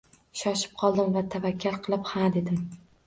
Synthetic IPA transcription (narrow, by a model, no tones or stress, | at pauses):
ʃɒʃɪ̥p̚qʰɒlˠd̪ɪmvat̪ʰavakʲːaɾqʰɨlˠɪphad̪e̞d̪ɪm